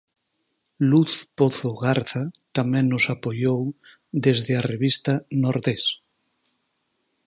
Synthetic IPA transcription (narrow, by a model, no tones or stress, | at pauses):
luθpoθoɣaɾθat̪amɛ̃ŋnʊsapojow | d̪ezðɪɐreβist̪ɐnoɾðes